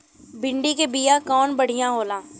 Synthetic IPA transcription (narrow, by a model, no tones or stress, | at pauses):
bɪ̃ɳɖikebiːjakɔːnbəɽ̤ijãɦoːlãː